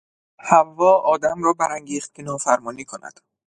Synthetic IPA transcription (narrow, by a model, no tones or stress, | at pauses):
hævːɒːɒːd̪æmrɒːbæɾæŋɟiːχt̪̚kʰʲenɒːfæɾmɒːniːkʰonæ̰d̪̥